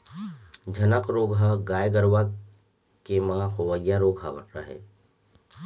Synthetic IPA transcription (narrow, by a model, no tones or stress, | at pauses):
d͡ʒʱənəkɾoːɡɦəɡaːjɡəɾʋa | kemãɦoʋəɡjaɾoːɡʱɦaʋəɾə̰ɦḛː